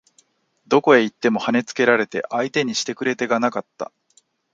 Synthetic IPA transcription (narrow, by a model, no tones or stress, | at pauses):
d̪o̞ko̞e̞it̪ːe̞mo̞hane̞t͡sɨ̥ke̞ɾaɾe̞t̪e̞̰ʔait̪e̞ɲ̟iɕi̥t̪e̞kɯ̟ɾe̞t̪e̞ɡanakat̪ːa̰